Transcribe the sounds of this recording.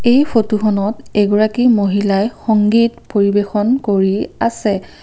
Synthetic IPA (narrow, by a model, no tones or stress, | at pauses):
ejpʰotuxɔnɔtɛɡɔɹakimoɦilajxɔŋɡitpoɹibexɔnkoɹiasɛ